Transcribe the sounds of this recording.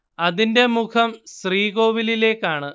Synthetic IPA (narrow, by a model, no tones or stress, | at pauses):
ɐðinde̞mukʰɐmɕriːɣo̞ːʋilile̞ːkːaːɳɨ